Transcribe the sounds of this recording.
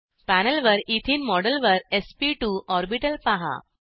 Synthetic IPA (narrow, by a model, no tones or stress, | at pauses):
pænəlʋəɾit̪ʰiːnmɔɽəlʋəɾespiʈuʔɔɾbiʈəlpaɦa̰